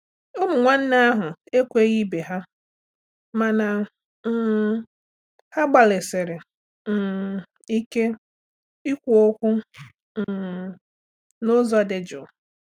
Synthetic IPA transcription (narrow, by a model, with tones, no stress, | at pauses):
ʊ˦mʊ˨ŋʷa˦n̩˦na˦a˦ɦʊ˨e˦kʷe˦ɣi˦be˨ɦa˦ | ma˨na˨ | m̩˦˨ | ha˦ɡ͡ba˨lɪ˨sɪ˨ɾɪ˨ | i˦ke˦ | i˦kʷu˨o˦kʷʊ˦˨ | nʊ˦zɔ˦˨de˨d͡ʒʊ˨